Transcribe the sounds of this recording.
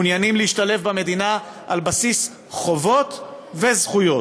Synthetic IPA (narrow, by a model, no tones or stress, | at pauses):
njanimliiʃtale̞fbame̞d̪ina | ʔalbasis | χo̞vo̞t̪ | vezχujo̞